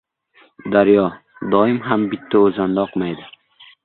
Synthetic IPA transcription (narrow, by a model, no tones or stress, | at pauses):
d̪aɾjɒ | d̪ɒɪmɦambɪt̪ʰːaozand̪aɒqmajd̪ɪ